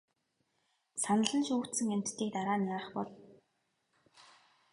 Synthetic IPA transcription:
sanə̆ɮə̆nʃuːxʰt̪sɘ̆ŋem̥ʲt̪ːʰiːk̚t̪aɾaːnaɾ̆χpɔɮ

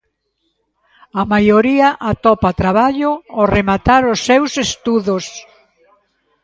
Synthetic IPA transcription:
amajoɾiɐʔat̪ɔpat̪ɾaβaʎʊoremat̪aɾʊsːewsest̪uðos

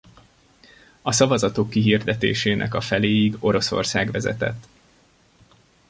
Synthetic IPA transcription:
ɒsɒvɒzɒt̪okːiɦiːrd̪ɛt̪ḛːʃeːnʔɛ̰kɒfɛleːiɡo̞ɾo̞so̞̰rsaːɡʋɛzɛ̰t̪ɛ̰t̪ː

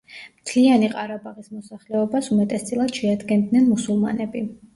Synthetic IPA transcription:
mt̪ʰlianiqʼaɾabaʁismɔsaχlɛɔbasumat̪ʼɛst̪sʼilˠad̪̥ʃɛad̪ɡɛnd̪nɛnmusulˠma̰nɛbi

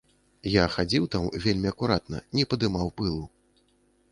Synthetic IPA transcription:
jaxad͡zʲiwt̪amvʲelʲmʲiɐkuɾat̪nɐ̰nʲɛpɐd̪ɨmawpɨlˠu

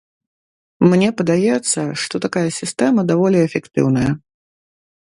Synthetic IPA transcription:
mnʲɛpɐd̪ajɛt̪sːɐʂt̪ɔt̪akajɐsʲist̪ɛmɐd̪avɔlʲɛɛfʲɛkt̪ɨ̰wnɐjɐ

